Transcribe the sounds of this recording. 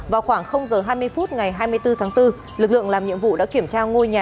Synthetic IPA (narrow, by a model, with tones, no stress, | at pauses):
vaː˨˩wxwaː˧˩ŋxə˧wŋ͡mzəː˨˩ɦaː˧jmɨ˧əjfu˦˥t̚ŋa˨˩jɦaː˧jmɨ˧əjt̪ɨ˧t̪ʰaː˨˦ŋt̪ɨ˧ | lɨ˨˩k̚lɨ̰˧˨əŋlaː˨˩mɲḭ˧˨əmvṵ˧˨ɗa̰ː˧˥ki˧˩əmt͡ɕaː˧ŋo˧jɲaː˨˩